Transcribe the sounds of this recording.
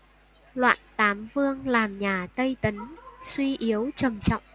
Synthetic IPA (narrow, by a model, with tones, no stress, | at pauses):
lwa̰ː˧˨nt̪aː˨˦mvɨ˧əŋlaː˨˩mɲaː˨˩t̪ə˧jt̪ə˨˦nswi˧ʔi˨˦əwt͡ɕə˨˩mt͡ɕɔ̰˧˨wŋ͡mʔ